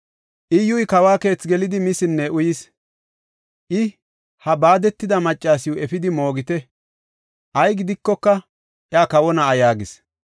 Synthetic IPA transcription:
ʔɪjʊjkɐwaːke̞ːt͡sɡɛlɪd̪ɪmɪsɪnːɛʔʊjɪs | ʔɪ | hɐbaːd̪ɛt̪ːɪd̪ɐmɐt͡ʃʼːaːsɪjʊɛfɪd̪ɪmo̞ːɡɪt̪ɛ | ʔɐjɡɪd̪ɪkːɔkːɐ | ʔjaːkɐwɔnɐɐjaːɡɪs

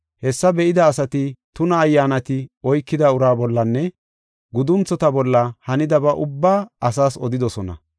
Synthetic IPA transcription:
hɛsːɐbɛʔɪd̪ɐːsɐt̪ɪt̪ʊnɐːjːaːnɐt̪ɪɔjkːɪd̪ɐʊɾaːbɔlːɐnːɛ | ɡʊd̪ʊnt͡sːɔt̪ɐbɔlːɐhɐnɪd̪ɐbɐʔʊbːaːɐsaːsɔd̪ɪd̪ɔsɔnɐ̰

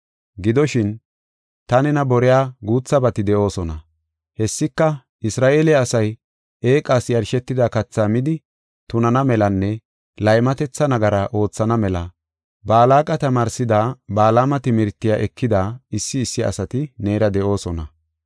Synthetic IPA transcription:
ɡɪd̪ɔʃɪn | t̪ɐnɛnɐbɔɾɛjaːɡuːt͡sːɐbɐt̪ɪd̪ɛʔo̞ːsɔnɐ | hɛsːɪkːɐ | ʔɪsɾaːʔe̞ːlɪːsɐj | e̞ːkʼaːsjɐɾʃɛt̪ːɪd̪akɐt͡sːaːmɪd̪ɪ | t̪ʊnɐnɐmɛlɐnːɛ | lɐjmɐt̪ɛt͡sːɐnɐɡɐɾɐʔo̞ːt͡sːɐnɐmɛlɐ | baːlaːkʼɐt̪ɐmaːɾsɪd̪aːbaːlaːmɐt̪ɪmɪɾt̪ːɪjaːʔɛkːɪd̪aːɪsːɪːsːɪɐ̰sɐt̪ɪne̞ːɾɐd̪ɛʔo̞ːsɔnɐ

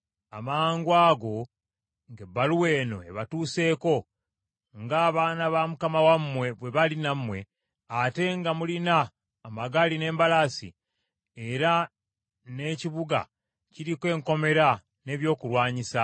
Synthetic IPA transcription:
a̰maːŋɡwaːɡo̞ | ŋɡe̞bːaluwe̞ːno̞̰e̞̰βatuːse̞ːko̞ | ŋɡaːβaːnaβamukamawamːwe̞βwe̞βalinamːwe̞ | ate̞ŋɡamulinaː | maɡaline̞ːmbalasḭ | eɾa | ne̞ːciβuɡa̰ | ciɾikwe̞ːŋko̞me̞ɾa | ne̞ːβjo̞ːkulwaːɲisa

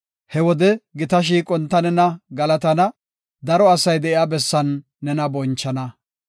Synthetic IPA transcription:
hɛwɔd̪ɛɡɪt̪ɐʃ̬iːkʼɔnt̪ːɐnɛnɐɡɐlɐt̪ɐnɐ | d̪ɐɾɔɐsɐjd̪ɛʔɪaːbɛsːɐnː | ɛnɐbɔnt͡ʃːɐnɐ

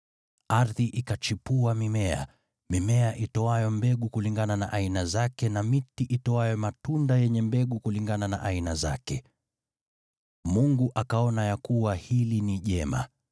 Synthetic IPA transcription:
aɾðiʔikat͡ʃipuamimɛa̰ | mimɛaʔitɔajɔmbɛɠukuliŋɡanana̰ʔainazakɛnamitiʔitɔajɔmatundajɛɲɛmbɛɠukuliŋɡanana̰ʔainaza̰kɛ | muŋɡuʔakaɔnajakuwahiliniʄɛma̰

